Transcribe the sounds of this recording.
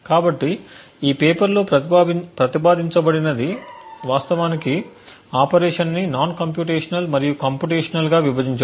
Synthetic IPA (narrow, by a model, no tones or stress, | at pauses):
kaːbɐʈːi | iːpeːpɐɾloːɐpɾɐt̪ipaːd̪iɲt͡ʃɐbɐɽinɐd̪iʋaːst̪ɐʋaːniki | aːpɐɾeːʂɐnninaːnkɐmp̬juːʈeːʂɐnɐlmɐɾijukɐmpjuʈeːʂɐnɐlɡaːʋibʱɐd͡ʒ̪iɲt͡ʃɐ